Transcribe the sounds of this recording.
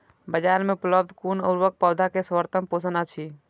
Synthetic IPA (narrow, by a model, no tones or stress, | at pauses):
bəd͡ʒaɾmeupləb̚d̪ʱkunə̰ʊɾʋək̚pəwd̪ʱakesʋəɾt̪əmposənat͡ʃʰi